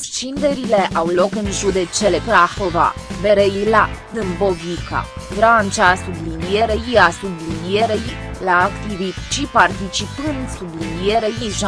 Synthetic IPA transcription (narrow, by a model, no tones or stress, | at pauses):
st͡ʃind̪eɾile̞ʔʔawlo̞kɨnʒud̪e̞t͡ʃelepɾaxova̰veɾejlad̪ɨmbo̞vika̰ | ɡɾant͡ʃasublinijeɾejiasublinijeɾejlaːkt̪ivit̪t͡ʃipart̪it͡ʃipɨnd̪sublinijeɾejiʒa